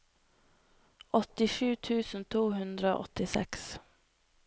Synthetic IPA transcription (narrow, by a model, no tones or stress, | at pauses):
ʔɔt̪ɪʂʉːt̪ʰʉːsənt̪ʰuːɦʉnd̪ɾəo̰ːʔɔ̰t̪ɪsɛ̰ks